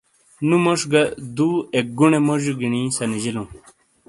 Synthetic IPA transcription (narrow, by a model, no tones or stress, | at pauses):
numoʂɡɐd̪uek̚ɡuɳemoʑuɡiɳĩsɐnid͡ʑilũ